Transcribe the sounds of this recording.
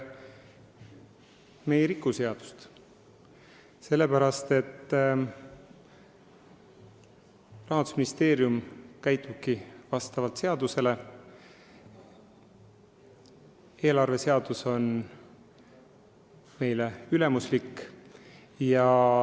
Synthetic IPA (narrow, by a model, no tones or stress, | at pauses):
me̞jeɾikːuse̞ɑd̪̥u̥st̪ | se̞lːe̞pæɾɑst̪e̞t̪ː | rɑɦɑnd̪usminist̪e̞ːɾjumkæjt̪ːˑub̥̚kivɑst̪ɑvɑlt̪se̞ɑd̪use̞le̞ | e̞ːlɑrve̞se̞ɑd̪̥uso̞n | me̞jleyle̞muslikː | jɑ